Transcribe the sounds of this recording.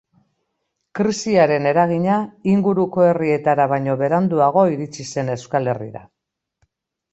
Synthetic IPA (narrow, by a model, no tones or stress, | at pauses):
kɾisiaɾe̞ne̞ɾaɣ̞iɲaiŋɡuɾuko̞e̞rie̞t̪aɾaβ̞ajɲo̞βe̞ɾand̪uaɣ̞o̞iɾit͡sise̞ne̞skale̞rḭða̰